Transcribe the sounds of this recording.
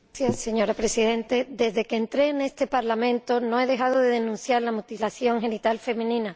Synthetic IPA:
sjase̞ɲo̞ɾapɾe̞siðe̞nt̪e̞d̪e̞zðe̞keːnt̪ɾeːne̞st̪e̞paɾlamẽ̞nt̪o̞no̞e̞ð̞e̞xaðoðe̞ðenũnθjaɾlamut̪ilaθjo̞ŋxe̞nit̪alfe̞mẽnĩna

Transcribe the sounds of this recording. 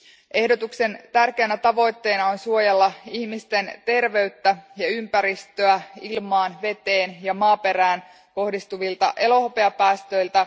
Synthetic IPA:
ʔe̞hdo̞t̪ukse̞nt̪ærk̟eːnæt̪ɑʋo̞jt̪ːe̞ːnɑonsuojelːɑihmist̪e̞nt̪e̞rʋe̞yt̪ːæjɑympæɾist̪øæilmɑːnʋe̞t̪e̞ːnjɑmɑːpe̞ɾæːn | ko̞hdist̪uʋilt̪ɑ̰ʔe̞lo̞hope̞ɑpæːst̪ø̞ilt̪æ

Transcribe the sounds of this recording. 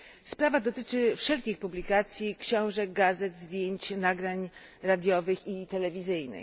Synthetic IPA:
spɾavad̪ɔt̪ɘt͡ʂɘfʂɛlkʲixpublʲikat̪sʲjikɕɔ̃w̃ʐɛɡazɛd̪zd̪ʲjeɲt͡ɕnaɡɾaɲ | ɾad̪ʲjɔvɘxit̪ɛlɛvʲizɘjnɘ̰

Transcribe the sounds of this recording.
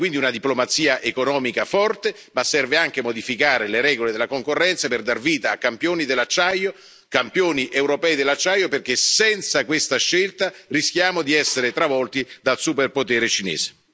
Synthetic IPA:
kwind̪iunad̪iplomat̪siːaʔekonɔːmikafɔrt̪e | masːɛrveaŋk̟emod̪ifikaːɾeleɾɛːɡoled̪elːakoŋkorːɛnt̪saperd̪arviːt̪aːkːampjoːnid̪elːat͡ʃːajo | kampjoːniʔewɾopɛːid̪elːat͡ʃːajoperk̟esɛnt̪sakwest̪aʃːelt̪arisk̟jaːmod̪iɛsːeɾet̪ɾavɔlt̪id̪alsuperpot̪ɛːɾet͡ʃinḛːze̥

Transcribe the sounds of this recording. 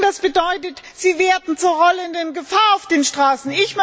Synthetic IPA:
d̥asb̥ədɔʏtət | z̥iːveːɐdn̩t͡suːɐʁɔləndənɡəfaːɐaʊfd̥eːnʃtʁ̥aːsn̩ɪçm

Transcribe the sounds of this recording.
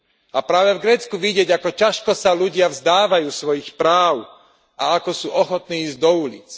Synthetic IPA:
ʔapɾaːʋɛvɡɾɛːt͡skuʋiɟɪɛɟakɔcaʃkɔsaluɟɪavzd̪aːʋajuːsʋɔjixpɾaːw | ʔa̰akɔsuːʔɔxɔt̪niːiːzɟd̪ɔulḭːt͡s

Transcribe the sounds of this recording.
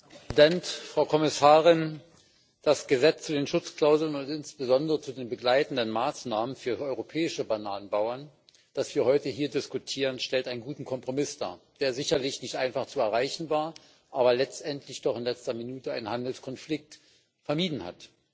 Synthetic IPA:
dɛntfʁ̥aʊkʰɔmɪsaːʁɪn | d̥asɡ̥əzɛt͡st͡sudeːnʃʊt͡skl̥aʊzl̩ənʊntɪnsb̥əzɔndəʁət͡sudeːnbəɡlaɪtn̩dənmaːsnaːmənfyːɐʔɔʏʁopʰɛːɪʃəbanaːnənbaʊɐn | d̥asv̥iːɐhɔʏtəɦiːɐdɪskutʰiːʁ̞ənʃtɛltʔaɪnənɡuːtn̩kʰɔmpʁ̥omɪsd̥a̰ːɐd̥eːɐzɪçɐlɪçnɪçtʔaɪnfaχt͡suɛɐʁaɪçn̩vaːɐ | ʔaːbɐlɛt͡stʔɛntʰlɪçd̥ɔχɪnlɛt͡stɐminuːtəʔaɪnənhandl̩skʰɔnflɪk̚t | fɛɐmiːdn̩ha̰t

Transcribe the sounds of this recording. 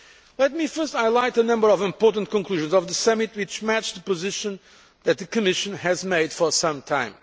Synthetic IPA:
lɛt̪̚mifɜ˞staɪlaɪtənʌ̃mbə˞ɔvɪ̃mpɔɹtə̃n̩t̚kɔ̃nkluʒɨ̃nzɔvðəsʌmit̚wit͡ʃmæt͡ʃðəpɨzɪʃɨ̃n | ðɨt̪̚ðɨkɨmɪʃɨ̃nɨzmeɪd̥fɔ˞sʌ̃mtʰãɪ̃m

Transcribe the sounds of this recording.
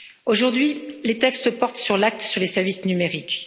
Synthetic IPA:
oʒuʁd̪ɥilet̪ɛkst̪pɔʁt̪syʁlak̚t̪syʁlesɛʁvisnymeʁik

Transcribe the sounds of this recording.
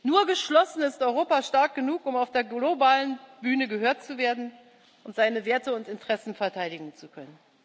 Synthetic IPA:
nuːɐɡəʃlɔsn̩ɪstʔɔʏʁ̞oːpaʃtaɐk̚ɡ̥ənuːkʊmaʊfd̥eːɐɡlobaːlənbyːnəɡəɦøːɐtt͡suveːɐdn̩ | ʔʊntz̥aɪnəveːɐtəʊntɪntʁ̥ɛsn̩fɛɐtʰaɪdɪɡŋ̩t͡sukʰœnən

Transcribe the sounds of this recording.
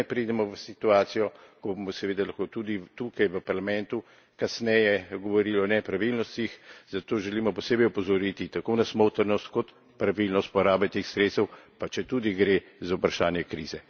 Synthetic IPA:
ɛpɾiːd̪ɛmɔʋəsit̪uaːt̪sijɔkɔbomɔsɛʋeːd̪alaxkot̪ud̪it̪ukajʋəpaɾlamɛ̃nt̪u | kasnɛjɛɡɔʋɔɾiːlɔnɛpɾaʋilnɔst̪ixzat̪oːʒɛliːmɔpɔseːbɛjɔpɔzɔɾit̪it̪akonasmowt̪ɛɾnɔst̪kɔt̪ | pɾaʋilnɔst̪pɔɾaːbɛt̪eːxsɾet̪st̪ɛwpat͡ʃɛt̪ud̪iɡɾe | zaupɾaʃaːnjɛkɾḭːzɛ

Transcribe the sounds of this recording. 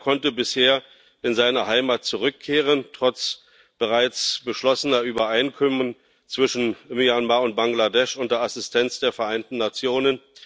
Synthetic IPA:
kʰɔntəbɪsheːɐ | ʔɪnzaɪnɐɦaɪmaːt̚t͡suʁʏkʰːeːʁ̞əntʁ̥ɔt͡s | b̥əʁaɪt͡sb̥əʃlɔsənɐʔyːbɐʔaɪnkʰɔmən | t͡sv̥ɪʃn̩mijanmaːʊnt̚b̥aŋɡladɛʃʔʊntd̥ɐasɪstʰɛnt͡sd̥eːɐfɛɐʔaɪntn̩ːat͡sjoːnən

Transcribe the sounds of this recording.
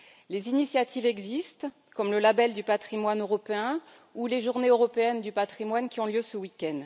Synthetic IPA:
lezinisjat̪ʰivɛɡzist̪ | kɔmləlabɛld̪ypat̪χimwanøʁɔpeɛ̃ | uleʒuʁneøʁɔpeɛnd̪ypat̪χimwankʲiɔ̃ljøsəwikʲɛnd̪

